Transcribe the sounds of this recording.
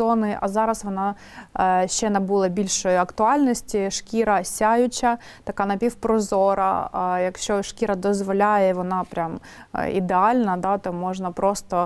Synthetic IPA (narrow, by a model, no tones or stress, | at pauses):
ɔnɪʔɐ̰zɑɾɐsʋɔnɑ | ʃt͡ʃɛnɐbulˠɐbʲilʲʃɔjʊɐkt̪ʊɑlʲnɔsʲtʲiʂkʲiɾɐsʲajʊt͡ʃɐ | t̪ɐkɑnɐpʲiwpɾɔzɔɾɐ̰jɐkʃt͡ʃɔʃkʲiɾɐd̪ɔzʋɔlʲajɛʋɔnɑpɾʲam̰ | ḭd̪eɑlʲnɐd̪ɑt̪ɔmɔʒnɐpɾɔst̪ɔ